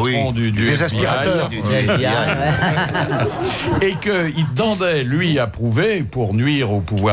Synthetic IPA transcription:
iɔ̃d̪yd̪yd̪ezɛ̃spiʁa | ekəilt̪ɑ̃d̪ɛlɥiapχuvepuʁnɥiːʁopuvwa

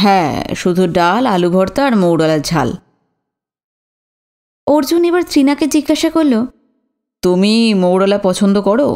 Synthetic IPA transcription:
ɦɛ̃ʃud̪ʱuɖalalubʱɔɾt̪aɾmowɽɔlaɾd͡ʑʱa̰l | oɾd͡ʑunebaɾt̪ʰɾinaked͡ʑiɡːaʃakoɾlo | t̪umimowɽɔlapɔt͡ɕʰond̪okɔɽo̰

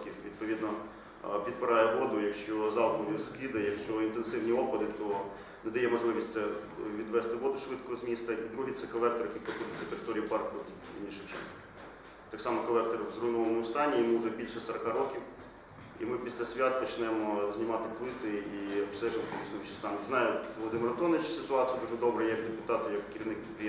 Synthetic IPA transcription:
kʲiwʋʲid̪̚pɔʋʲid̪nɔ | pʲid̪̚pɪɾɑjɛʋɔd̪ʊjɐkʃt͡ʃɔzɑwbud̪ʲiskid̪ɐjɐkʃt͡ʃɔint̪ensɪwnʲiɔpɐd̪ɪt̪ɔ | nɛd̪ɐjɛmɔʒlˠɪʋʲisʲtʲtsɛʋʲid̪ʋɛst̪ɪʋɔd̪ʊʃʋɪt̪kɔzmʲist̪ɐʔid̪ɾuɦit̪sɛkɔlˠɛk̚t̪ɔrjɐkijpɔkɔd̪ɪt͡sʲɐt̪eɾɪt̪ɔɾʲijipɑrktʲ | ḭnʲinʃɪwt͡ʃɛ̰n | t̪ɑksɑmɔkɔlˠɛk̚t̪ɔɾwzrunɔʋɔmʊʊst̪ɑnʲːijɔmuʊʒɛbʲilʲʃɛsɐɾɐkɑɾɔkʲiw | ḭmɪpʲisʲlʲasʲʋʲat̪̚pɔt͡ʃnɛmɔzʲnʲɪmɑt̪ɪplˠɪt̪ɪiɐpsɛʒɪʋɐt̪lʲˠit͡ʃ̪ʲnʊʋit͡ʃɪ̥st̪ɑnznɑjʊʋɔlˠɔd̪ɪmɪɾɐt̪ɔnɪt͡ʃsɪt̪ʊɑt̪ʲsʲijɐd̪uʒɛd̪ɔbɾɐjakd̪epʊt̪ɑt̪ʊjɐkkʲːɪɾʲiʋnɪkp̪ʲpɾʲi

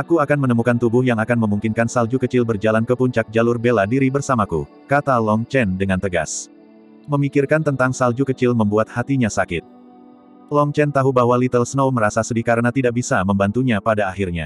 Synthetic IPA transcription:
ʔakuakanmənəmukant̪ubʊhjaŋakanməmuŋkɪnkansald͡ʒukət͡ʃɪlbərd͡ʒalankəpuɲt͡ʃak̚d͡ʒalʊrbeladiɾibərsamakṵ | kat̪alɔŋt͡ʃɛndəŋant̪əɡa̰s | məmikɪrkant̪ənt̪aŋsald͡ʒukət͡ʃɪlməmbuat̪̚hat̪iɲasakɪt̪̚ | lɔŋt͡ʃɛnt̪aɦubaɦwalit̪əlsənowməɾasasədikaɾənat̪idaʔbisaməmbant̪uɲapadaaɦɪrɲa̰

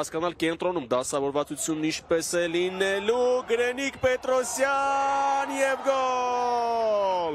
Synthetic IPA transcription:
ɑskɑnɑlkɛnt̪ɾɔnumd̪ɑsɑvɔɾvɑt͡sut͡sʰjunːint͡ʃʰpɛsɛlinɛluɡəɾɛnikpɛt̪ɾɔsjɑnjɛvɡɔ | l

